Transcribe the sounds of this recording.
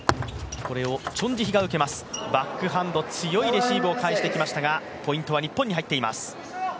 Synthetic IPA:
ko̞ɾe̞o̞t͡ɕõ̞ɲ̟d͡ʑiçiɡaɯ̟ke̞masɨ̥bakːɯ̟ɦãnd̪o̞t͡sɨjo̞iɾe̞ɕiːbɯ̟okaiɕi̥t̪e̞kʲimaɕi̥t̪aɡa | po̞ĩnt̪o̞βaɲ̟ipːoɲ̟ːiɦait̪ːe̞ima̰sɨ̥

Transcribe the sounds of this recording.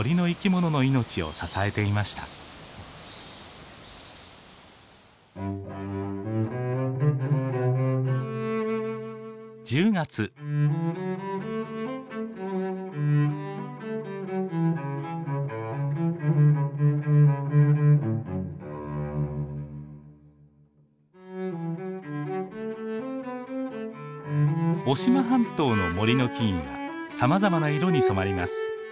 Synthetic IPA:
oɾʲino̞ikʲimo̞no̞no̞ino̞t͡ɕio̞̰sasae̞t̪e̞imaɕi̥t̪a̰ | d͡ʑɨːɡat͡sɨ | o̞ɕimaɦãnt̪o̞ːno̞mo̞ɾʲino̞kʲĩβa̰samazamanaiɾo̞ɲ̟isomaɾʲima̰sɨ̥

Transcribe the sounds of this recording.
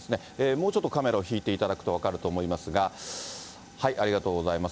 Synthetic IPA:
sɨne̞ | eːmoːt͡ɕo̞t̪ːo̞kame̞ɾao̞çiːt̪e̞it̪ad̪akɯ̟̥t̪o̞β̞akaɾɯ̟t̪o̞ːmo̞imasɨɡa | haiʔaɾʲiɡat̪o̞ːɡo̞zaimas

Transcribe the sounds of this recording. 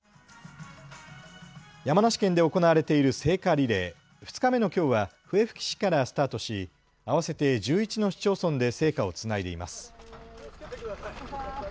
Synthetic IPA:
jamanaɕi̥kẽ̞nd̪e̞o̞ko̞naβaɾe̞t̪e̞iɾɯ̟se̞ːkaɾʲiɾe̞ː | ɸɯ̟̥t͡sɨ̥kame̞no̞kʲo̞ːβaɸɯ̟e̞ɸɯ̟̥kʲi̥ɕi̥kaɾasɨ̥t̪aːt̪o̞ɕi | aβase̞t̪e̞d͡ʑɨːit͡ɕino̞ɕi̥t͡ɕo̞ːsõ̞nd̪e̞se̞ːkao̞t͡sɨnaid̪e̞̰ima̰sɨ̥

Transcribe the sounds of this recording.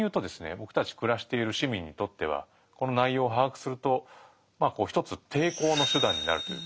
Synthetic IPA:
jɯ̟ːt̪o̞d̪e̞sɨne̞̰bo̞kɯ̟̥t̪at͡ɕi̥kɯ̟ɾaɕi̥t̪e̞iɾɯ̟ɕimʲĩɲ̟ːit̪o̞t̪ːe̞β̞a̰ | ko̞no̞naijo̞ːɦakɯ̟̥sɨɾɯ̟t̪o̞ | maːko̞ːçʲi̥t̪o̞t͡sɨt̪ʰe̞ːko̞ːno̞ɕɨd̪ãɲ̟ːina̰ɾɯ̟t̪oj̰

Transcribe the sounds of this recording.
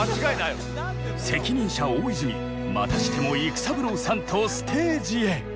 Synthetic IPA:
at͡ɕiɡainajo̰ | se̞kʲiɲ̟ĩɰ̃ɕaoːizɨmʲi | ma̰t̪aɕi̥t̪ʰe̞mo̞ikɯ̟̥sabɯ̟ɾoːsãnt̪ʰo̞sɨ̥t̪ʰe̞ːd͡ʑie

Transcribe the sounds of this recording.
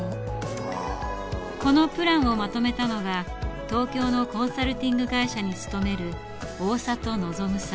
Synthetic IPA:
ko̞no̞pɯ̟ɾãɰ̃o̞mat̪o̞me̞t̪ano̞ɡa | t̪o̞ːkʲo̞ːno̞kõ̞ɰ̃saɾɯ̟t̪ʲĩŋɡɯ̟ɡaiɕaɲ̟it͡sɨ̥t̪o̞me̞ɾɯ̟ | o̞ːsat̪o̞no̞zo̞mɯ̟sa

